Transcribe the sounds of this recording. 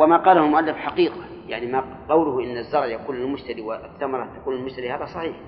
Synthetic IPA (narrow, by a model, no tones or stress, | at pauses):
wamaqɑːlahʊlmʊʔalːɪfħaqiːqa | jaʕnima | qɑwlʊhʔɪnːazːɑɾˤʕjakuːnalmʊʃt̪ad̪iːwaθːamɑɾˤɑt̪akuːnalmʊʃt̪ad̪ihaːðasˤɑħiːħ